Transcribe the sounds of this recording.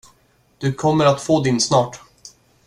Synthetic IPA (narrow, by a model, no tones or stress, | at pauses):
d̪̥ɵkʰɔmːəɾat̪foːd̪ɪnsnɑːʈ